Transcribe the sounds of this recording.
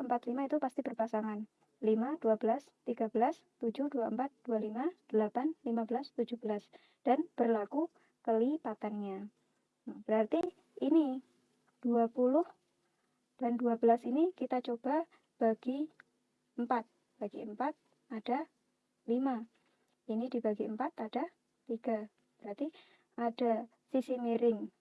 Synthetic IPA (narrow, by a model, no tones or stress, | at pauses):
əmpat̪limait̪upast̪ibərpasaŋan | limad̥uabəlas | t̪iɡabəlas | t̪ud͡ʒuhduaəmpat̪̚d̥ualimad̥əlapanlimabəlast̪ud͡ʒuhb̥əlas | d̥anb̥ərlaɡu | kəlipat̪anɲa | b̥əɾart̪i | ini | d̥uapulʊh | d̥anduabəlasinikit̪at͡ʃob̥a | b̥aɡ̥i | əmpat̪̚ | b̥aɡiəmpat̪̚ | ad̥a | lima | inidibaɡiəmpat̪ad̥a | t̪iɡ̥a | b̥əɾart̪i | ada | sisimiɾɪŋ